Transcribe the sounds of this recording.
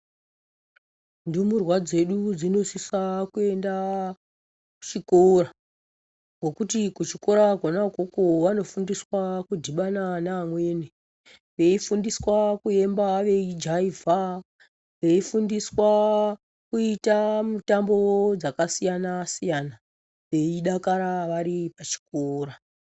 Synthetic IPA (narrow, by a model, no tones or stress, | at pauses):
ndumurwad͡ze̞ɗud͡zino̞sisakue̞nda | ku̥t͡ʃikora | ŋɡo̞kutikut͡ʃiko̞ɾaɡʱonakokoʋano̞fundiswakudʱiɓananaːmwe̞ːne | ʋe̞ifundiswakue̞mbaʋe̞id͡ʒaivʱa | ʋe̞ifundiswa | kuitamutambo̞d͡zakasijanasijana | ʋe̞iɗakaɾaʋaɾipat͡ʃi̥k̚oːra